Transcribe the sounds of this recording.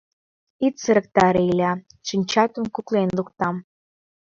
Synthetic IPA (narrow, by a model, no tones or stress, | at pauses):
it̪səɾə̆k̚t̪ɑɾeilʲæ | ʃinʲt͡ɕɑt̪ŏmkuklenlukt̪ɑm